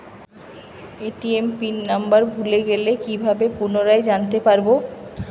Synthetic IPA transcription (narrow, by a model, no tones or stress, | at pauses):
eʈiempinnambaɾbʱuleɡelekibʱabepunoɾaed͡ʑant̪epaɾbo